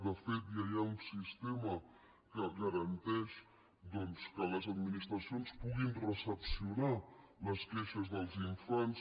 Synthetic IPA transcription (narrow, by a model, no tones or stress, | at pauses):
d̪əfet̪jajaunsist̪emə | kəɣəɾənt̪ɛʃ | d̪ɔnskələzəd̪minist̪ɾəsionspuɣinrəsəpsiunaləskɛʃəzðəlˠziɱfans